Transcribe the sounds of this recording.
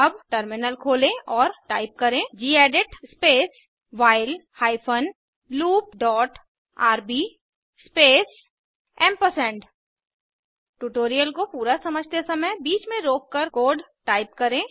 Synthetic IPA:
ɐbʈəɾmɪnəlkʰoːlẽʔɔːɾʈaːɪp̚kɐɾẽd͡ʒiːɛːɖɪʈspeːs | ʋaːɪlhaːɪpʰən | luːp̚ɖɔːʈ | aːɾbiː | speːs | ɛ̃ːmpəsɛ̃ːɳɖ | ʈuʈoːɾijəlkopuːɾasɐməd͡ʒʱt̪esɐməjbiːt͡ʃmẽɾoːkːəɾkoːɾɖʈaːɪpkɐɾẽ

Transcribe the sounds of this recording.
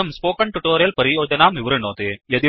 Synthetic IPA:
ɐmspoːkɐɳʈuʈoːɾijɐlpɐɾioːd͡ʒɐnaːmʋɪʋɾɐnoːt̪ejɐd̪i

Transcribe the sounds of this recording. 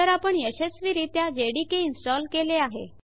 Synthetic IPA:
əɾapəɳjəɕesʋiɾit̪jad͡ʑeɽikeinsʈɔlkeleaɦḛ

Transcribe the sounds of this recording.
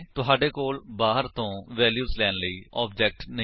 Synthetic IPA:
t̪ʊɦaːɖeːkoːlbaːɦəɾt̪õːʋɛːljuːzlɛːnləiːɔːb̚d͡ʒɛːk̚ʈnə

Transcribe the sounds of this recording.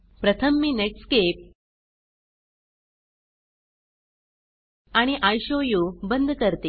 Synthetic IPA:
pɾət̪ʰəmːineʈskep̚ | aɽ̃iʔajɕojubənd̪ʱkəɾt̪e

